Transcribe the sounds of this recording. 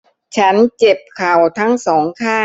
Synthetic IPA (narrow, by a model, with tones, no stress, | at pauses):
t͡ɕʰa˦˥nt͡ɕe˨˩p̚kʰa˨˩wt̪ʰa˦˥ŋsɔː˩˦ŋkʰaː˥˩